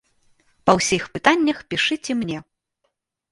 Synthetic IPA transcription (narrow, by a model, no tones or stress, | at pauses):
pɐwsʲixpɨt̪anʲːɐxpʲiʂɨt͡sʲɛmnʲɛ